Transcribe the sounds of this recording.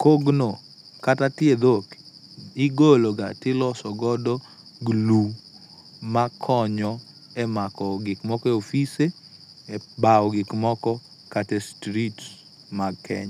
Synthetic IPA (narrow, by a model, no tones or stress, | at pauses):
koɡno | katatjed̪okiɡoloɡa̰tɪlɔsɔɡɔdɔ | ɡlu | makʰɔɲɔ | ɛmakɔɡɪkmɔkeofise | ɛbawɔɡɪkmɔkɔ | katestɾit | maɡkʰɛ̰ɲa